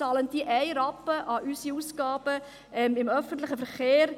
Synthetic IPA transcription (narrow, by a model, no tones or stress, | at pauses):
ɑːləntiʔæɪɾɑpːəʔɑʔysiuːsɡ̥ɑːb̥ə | ɛmɪmœfəntlɪχəfɛɾχeːɾ